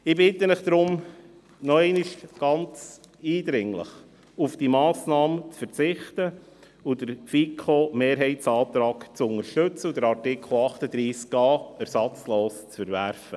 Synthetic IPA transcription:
ɪbɪt̪ənɪχd̥̪ɾʊm | nɔɛɪnɪʃɡ̥ɑnt͡s | iːdɾɪŋlə̰χ | ufd̥imɑːsnɑːmt͡sfəɾt͡sɪχtə | udəɾfikʰoːmeːɾɦɛɪtsɑːt̪ɾɑːkt͡sʊnəɾʃtɵt͡səud̥əɾɑɾtɪkʰl̩ˠɑχtəd̪ɾiːskɑːɛɾsɑt͡sloːst͡sfəɾvæɾfə

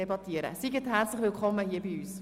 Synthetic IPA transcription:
ebɑt̪iəɾə̰siɡətɦært͡sləχʋɪlkʰχɔmːəhiːəbiyːs

